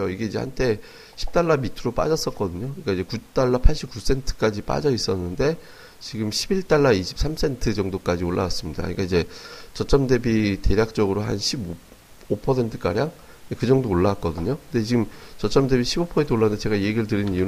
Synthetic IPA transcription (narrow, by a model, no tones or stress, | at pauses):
oiɡe̞id͡ʑe̞ha̰ntʰe̞ | ɕʰi̥p̚t͈aɭːamitʰɯɾop͈a̰d͡ʑʌs͈ʌk͈ʌdɯɲoɲikaid͡ʑe̞kut͈aɭːapʰaɭɕ͈ip̚k͈us͈ʰe̞ntʰɯ̥k͈ad͡ʑip͈a̰d͡ʑʌis͈ʌnːɯnde̞ | t͡ɕiɡɯmɕʰibiɭt͈aɭːaiɕʰi̥p̚s͈ʰamsʰe̞ntʰɯd͡ʑʌŋdok͈ad͡ʑioɭːa̰was͈ɯmɲida̰ɲik͈aid͡ʑe̞t͡ɕʌt͡ɕ͈ʌmde̞bite̞ɾjak̚t͡ɕ͈ʌɡɯɾoɦa̰nɕʰib | opʰʌsʰe̞ntʰɯ̥k͈a̰ɾjaŋ | ekɯd͡ʑʌŋdoːɭːawak͈ʌdɯɲokɯnde̞t͡ɕiɡɯmt͡ɕʌt͡ɕ͈ʌmde̞biɕʰibopʰʌsentʰoɭːand̪et͡ɕe̞ɡaie̞ɡiɾɯɭtɯɾinniun